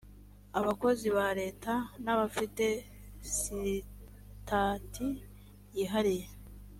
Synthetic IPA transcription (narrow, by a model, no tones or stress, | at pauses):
aβako̞ziβaɾe̞ːtanaβafite̞ | si | tʰatʰi | jiːɦaɾije̞